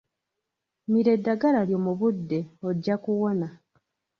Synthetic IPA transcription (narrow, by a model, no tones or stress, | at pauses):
miɾe̞dːaɡaɾaljo̞ːmuβudːe̞oɟːakuwo̞na